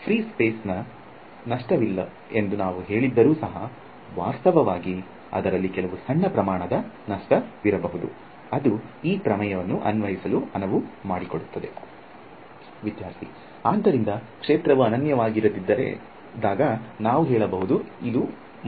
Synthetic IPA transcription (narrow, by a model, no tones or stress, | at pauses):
pʰɾiːspeːsnɐ | nɐʂʈɐʋilːɐ̰ | e̞nd̪unaːʋuɦe̞ːɭid̪ːɐɾuːsɐɦɐ | ʋa̰ːst̪ɐʋɐʋaːɡi | ɐ̰d̪ɐɾɐlːikɛlɐʋusɐɳːɐpɾɐmaːɳɐd̪ɐ | nɐʂʈɐʋiɾɐbɐɦud̪ṵ | ɐd̪uiːpɾɐmɐjɐʋɐnːuʔɐnʋɐjisɐluɐnɐʋumaːɽiko̞ɽut̪ːɐd̪e̞ | ʋid̪jaːɾt̪ʰḭ | aːd̪ːɐɾind̪ɐkʂeːt̪ɾɐʋuɐnɐnjɐʋaːɡiɾud̪id̪ːɐɾḛ | d̪aːɡɐnaːʋuɦɛːɭɐbɐɦud̪uid̪u